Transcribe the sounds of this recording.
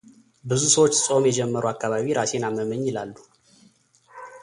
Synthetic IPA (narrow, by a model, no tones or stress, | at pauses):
bɨzusəwot͡ʃːsʼo̞mjɛd͡ʒɛmːəɾuakːaβaβiɾase̞naməməɲːɪlalːu